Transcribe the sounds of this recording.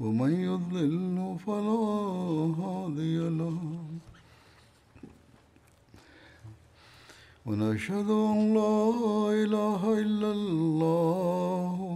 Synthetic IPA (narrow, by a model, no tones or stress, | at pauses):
wamanjʊðˤlɪlnafalaːɦaːd̪ɪjalah | wanaʃhad̪ʊʔalːaːʔɪlaːɦaʔɪlːalːaːh